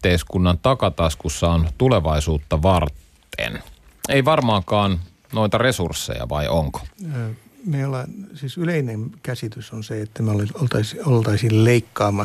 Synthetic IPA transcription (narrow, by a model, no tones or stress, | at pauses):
t̪eiskunːɑnt̪ɑkɑt̪ɑskusːɑont̪uleʋɑisuːt̪ːɑʋɑrt̪ː | ḛn | ejʋɑrmɑːkɑːn | no̞it̪ɑre̞sursːḛjɑ̰ʋɑ̰jʔoŋko̥ː | meiolːɑsiːsyleinenkæsit̪ysonseet̪ːæmoleolt̪ɑsiolt̪ɑisilleikːɑːmɑ